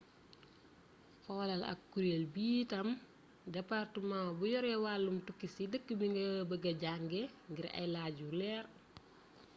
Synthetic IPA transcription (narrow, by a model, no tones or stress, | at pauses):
fɔːlɐlɐ̰k̚ːuɾelbiːtɐm | dɛpartəmãbujɔɾɛwalːumtukːisidəkːəbiŋɡɐbəɡɐɟaŋɡɛŋɡiɾɐ̰jlaːɟulɛːr